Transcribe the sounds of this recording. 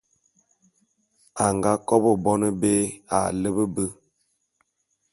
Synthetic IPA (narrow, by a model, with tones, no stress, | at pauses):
a˨ŋɡa˦kɔ˦bə˨bɔ˦nə˦be˦a̰˨lə˦bə˦bə˦